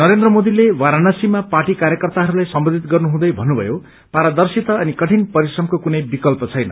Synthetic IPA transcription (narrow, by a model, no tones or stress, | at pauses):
nʌɾend̪rʌmod̪ilewaɾanʌsimapaʈikaɾjʌkʌrt̪aɦʌɾulajsʌmbʌd̪ʱit̪ɡʌrnuɦũd̪ʌjbʱʌnːubʱʌ̰jo | paɾad̪ʌrsit̪ʌʌnikʌʈʰinpʌɾisrʌmkokunʌjbikʌlpʌt͡sʰʌjnʌ̰